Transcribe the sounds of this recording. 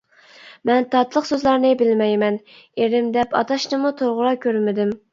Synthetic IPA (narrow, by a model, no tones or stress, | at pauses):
mɛnt̪ʰɑt̪lˠəqsøzlˠɑɾnɨbɪlmɛjmɛn | eɾɪmd̪ɛpʰɑ̰t̪ʰɑʃnɨmut̪ʰoɾʁʊɾɑkʲʰøɾmɪd̪ɪm